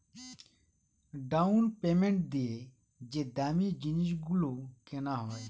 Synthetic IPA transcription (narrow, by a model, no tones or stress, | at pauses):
ɖaunpeːmẽɳʈ̚d̪ie | d͡ʒed̪aːmid͡ʒiniʃɡulokenaɦɔj